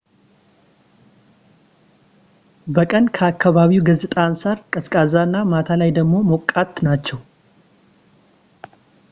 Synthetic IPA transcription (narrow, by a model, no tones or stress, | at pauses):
bəkʼənkʰəakʰːaβaβiwɡəzɨt̪ʼansaɾkʼəskʼazanːamat̪ʰalajd̪əɡmo̞mokʼːat̪nat͡ʃːɛw